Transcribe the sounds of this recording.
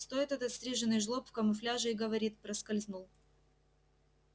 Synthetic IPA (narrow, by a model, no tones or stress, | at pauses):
st̪o̞jɪt̪ɛt̪ɐt̪sʲt̪ɾʲeʐɨnɨjʐlˠopfkɐmʊflʲaʐɨɪɡəvɐɾʲit̪pɾɐskɐlʲznulˠ